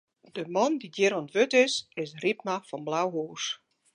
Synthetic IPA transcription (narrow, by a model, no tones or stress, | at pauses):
dəmɔndidɪɾɔntʋøtɪsɪsrip̚mafɔnblawɦoːs